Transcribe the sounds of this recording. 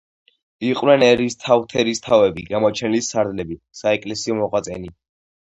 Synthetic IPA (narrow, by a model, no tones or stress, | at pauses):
iqʼwnɛnɛɾist̪ʰavt̪ʰɛɾist̪ʰavɛbiɡamɔt͡ʃʰɛnlisaɾd̪lɛbi | saɛkʼlɛsiɔmɔqʼwat̪sʼɛ̰ni